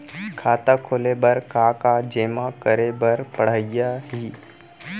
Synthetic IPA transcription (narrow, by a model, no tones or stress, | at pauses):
kʰaːt̪akʰoːlebəɾkakad͡ʒeːmakəɾebəɾpəɽ̤aːɪjaɦiː